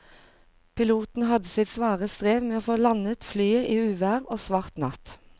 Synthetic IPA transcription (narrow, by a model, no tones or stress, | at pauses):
pʰɪluːt̪n̩hɑd̪əsɪt̪sʋɑːʁəst̪ʁeːʋmeːoːfoːlɑnət̪flyːəʔiːʉːʋæːʁoːsʋɑʁt̪nɑ̰t̪